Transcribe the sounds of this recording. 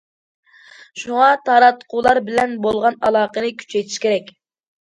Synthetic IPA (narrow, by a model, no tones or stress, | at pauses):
ʃuŋɑt̪ʰɑɾɑt̪qʰulˠɑɾbɪlɛnbolˠʁɑnɑlˠɑːqənɨkʲʰy̥t͡ʃʰɛjt̪ʰi̥ʃkʲʰeɾɛkʲ